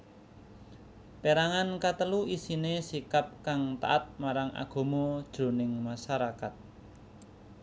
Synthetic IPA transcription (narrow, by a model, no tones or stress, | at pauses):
peɾaŋankat̪əluisinesikap̚kaŋt̪a̰ʔat̪̚maɾaŋʔa̰ɡ̥o̤mɔd̥ʒ̥o̤nɪŋmaʃaɾakat̪̚